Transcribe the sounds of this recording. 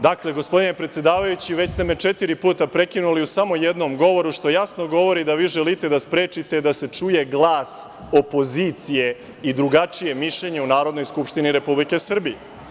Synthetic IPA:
d̪akle̞ɡo̞spo̞d̪ine̞pɾet̪sje̞d̪aːʋajut͡ɕiʋet͡ɕst̪emet͡ʃet̪iɾipuːt̪apɾe̞kinuliusamo̞jed̪nomɡo̞ʋo̞ɾuʃt̪o̞jasnoɡo̞ʋo̞ɾid̪aʋiːʒelit̪e̞d̪aspɾe̞ːt͡ʂit̪e̞d̪ase̞t͡ʂuje̞ɡlˠaːs | o̞po̞ziːt̪sije̞ | id̪ɾuɡat͡ʂije̞miʃʎeɲe̞unaːɾo̞d̪no̞jskupʃt̪iniɾe̞publike̞sr̩bije

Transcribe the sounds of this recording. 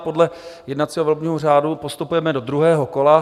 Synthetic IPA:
po̞dlɛjɛdnat̪t͡siːɦovɛlbɲiːɦor̝aːdupost̪upujɛmɛdo̞d̪ɾuɦɛːɦoko̞la

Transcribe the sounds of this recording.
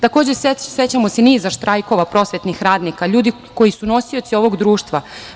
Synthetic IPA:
t̪ako̞ːd͡ʑeseset͡ɕamo̞seniːzaʃt̪ɾʔajko̞ʋapɾo̞ːsʋe̞t̪nixɾaːd̪nikaʎuːd̪i | ko̞jisuno̞sio̞t̪sio̞ʋo̞ɡd̪ɾuːʃt̪ʋa

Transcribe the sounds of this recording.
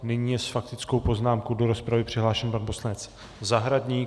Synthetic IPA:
nɪɲiːjɛsfak̚t̪ɪt͡sko̞wpo̞znaːmkowdo̞ɾo̞spɾavɪpr̝̥ɪɦlaːʃɛnpanbo̞slnɛt͡s | zaɦɾadɲiː

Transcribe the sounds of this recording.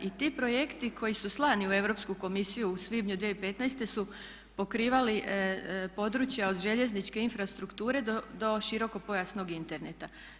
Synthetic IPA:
ʔit̪ipɾo̞je̞kt̪ikʰo̞jisuslˠaːniue̞ʋɾo̞pskuko̞misijuːsʋibɲud̪ʋijeipe̞t̪nɛjst̪e̞su | po̞kɾiːʋali | po̞d̪ɾut͡ɕjaod̪ʒe̞ʎe̞znit͡ʃke̞infɾast̪ɾukt̪uːɾe̞d̪oʃiɾo̞ko̞po̞jasno̞ɡint̪e̞ɾnet̪a

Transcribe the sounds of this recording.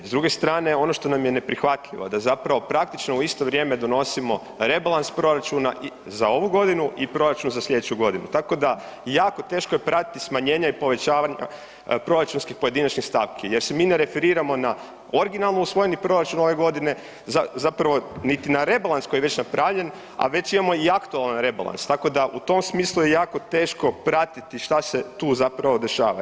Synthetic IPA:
zd̪ɾuɡe̞st̪ɾaːne̞o̞no̞ʃt̪o̞namje̞ne̞pɾixʋat̪lʎʲiʋo̞̰d̪azapɾaʋo̞pɾak̚t̪it͡ʃnouist̪o̞ʋɾʲje̞me̞d̪o̞no̞simo̞ | ɾe̞balˠanspɾo̞ɾat͡ʃuna̰ʔ | zao̞ʋuɡo̞d̪inuʔipɾo̞ɾat͡ʃunzasʎʲe̞d̪et͡ɕuɡo̞d̪inut̪ako̞d̪a | jaːko̞t̪e̞ːʃkojepɾat̪i̥t̪ismaɲe̞ːɲaipo̞ʋe̞t͡ɕaːʋaɲa̰ | pɾo̞ɾat͡ʃunskixpo̞je̞d̪inat͡ʃnixst̪aʋkʰije̞ɾse̞miːneɾe̞feɾiːɾamo̞na | oɾɡinalˠnuusʋo̞jenipɾo̞ɾat͡ʃuno̞ʋe̞ɡo̞d̪ine̞ | zazapɾaʋo̞nit̪inaɾe̞balˠansko̞jijeʋe̞t͡ɕnapɾaʋʎen | a̰ʋe̞t͡ɕimamo̞iakt̪ualˠanɾe̞ba̰lˠa̰nst̪ako̞d̪aʔut̪o̞msmiːslˠujejaːko̞t̪e̞ːʃko̞pɾat̪it̪iʃt̪ase̞t̪uːzapɾaʋo̞d̪e̞ʃa̰ːʋa̰

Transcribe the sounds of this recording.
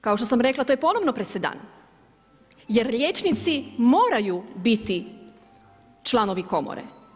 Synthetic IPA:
kao̞ʃt̪o̞samɾe̞klˠat̪ojepo̞no̞ʋnopɾesed̪a̰ːn | jeɾʎʲjet͡ʃnit̪simo̞ːɾajubit̪i | t͡ʃlˠano̞ʋiko̞mo̰ɾḛ

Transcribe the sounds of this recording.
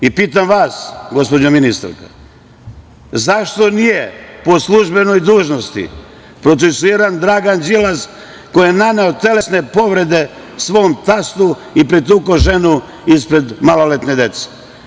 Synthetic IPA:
ipiːt̪̬amʋaːsɡo̞spod͡ʑaminist̪a̰ɾka̰ | zaʃt̪o̞nijepo̞slˠuʒbe̞no̞jd̪uːʒnost̪ḭ | pɾo̞t̪sesuiɾand̪ɾaːɡand͡ʒilas | ko̞jenaneot̪e̞le̞sne̞po̞ʋɾe̞d̪e̞ | sʋoːmt̪ast̪u | ipɾit̪ukoʒe̞nu | ispɾe̞d̪malolet̪ne̞d̪e̞t̪se̥

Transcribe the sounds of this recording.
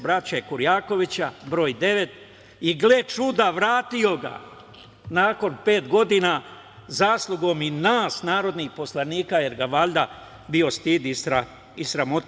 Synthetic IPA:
bɾat͡ɕakuɾjaːko̞ʋit͡ɕabɾo̞ːjd̪e̞ʋe̞t̪ | iɡlet͡ʃud̪aʋɾaːt̪io̞ɡa̰ | naːko̞npe̞ːt̪ɡo̞d̪ina | zaːslˠuɡo̞minaːsnaːɾo̞d̪nixpo̞slˠaniːkaje̞ɾɡaʋaːlʲd̪a | bio̞st̪id̪isa | isɾamot̪

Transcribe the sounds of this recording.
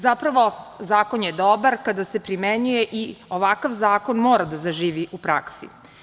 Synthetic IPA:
zapɾaʋo̞zaːko̞njed̪obaɾkad̪ase̞pɾimeɲujeʔioʋakaʋzaːko̞nmoːɾad̪azaʒiːʋiʔupɾaksḭ

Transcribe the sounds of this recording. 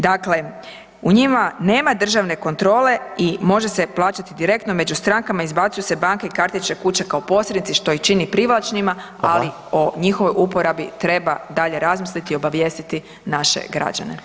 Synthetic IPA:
d̪akle̞ | uɲimane̞ːmad̪r̩ʒaʋne̞ko̞nt̪ɾo̞ːle̞imo̞ʒe̞se̞plˠaːt͡ɕat̪id̪iɾe̞k̚t̪no̞me̞d͡ʑust̪ɾaŋkamaizbat̪sujuse̞baŋkeikaɾt̪it͡ʃekut͡ɕekaopo̞slʲed̪nit̪siʃt̪o̞it͡ʃinipɾiʋlˠat͡ʃnima | ali | oɲixoʋo̞jupo̞ɾabit̪ɾe̞bad̪aʎe̞ɾazmislit̪io̞baʋje̞ːst̪it̪i | naʃḛɡɾa̰d͡ʑa̰nḛ

